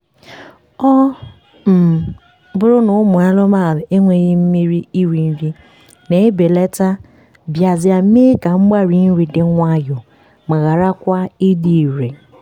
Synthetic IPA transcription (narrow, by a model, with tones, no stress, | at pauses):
ɔ˦ | m̩˨ | bʊ˦ɾʊ˦nʊ˨˦mʊ˨a˦lʊ˦ma˦˨e˦ŋʷe˨ɣi˦m̩˦mi˦ɾi˦i˦wi˨n̩˦vi˦ | ne˨e˦be˨le˦ta˦ | bja˨zɪ˨a˨˦me˦ka˨ŋ͡m̩˦ɡ͡ba˦ɾi˨˦n̩˦ɾi˨dɪ˨˦ŋʷa˦jʊ˨ | ma˨ɣa˨ɾa˦kʷa˦i˦di˨i˨ɾe˨